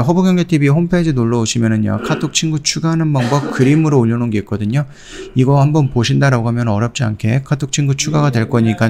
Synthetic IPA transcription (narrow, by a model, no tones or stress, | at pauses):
ɸʌboɡjʌŋɡe̞tʰibihompʰed͡ʑinoɭːʌoɕʰimjʌnɯnja̰kʰatʰok̚t͡ɕʰinɡut͡ɕʰuɡanɯnmʌŋbʌp̚kɯɾimɯɾoʎːʌnɯnɡe̞ik͈ʌdɯɲo | iɡʌhambʌnpoɕʰindaɾaɡohamjʌnʌɾjʌp̚t͡ɕ͈ia̰nkʰe̞kʰatʰok̚t͡ɕʰiŋɡut͡ɕʰuɡaɡadwe̞ɭk͈ʌɲik͈a